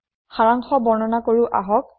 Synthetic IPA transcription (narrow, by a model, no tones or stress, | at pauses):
xaɹaŋxɔbɔɹnɔnakoɹuʔa̰ɦɔk̚